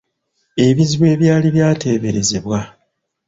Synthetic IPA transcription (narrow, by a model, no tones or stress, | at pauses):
e̞βiziβwe̞ːβjaːliβjaːte̞ːβe̞ɾe̞ze̞βwa